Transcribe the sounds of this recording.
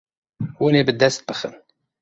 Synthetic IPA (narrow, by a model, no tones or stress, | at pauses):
wənibəd̪ːæst̪̚bəxə̰n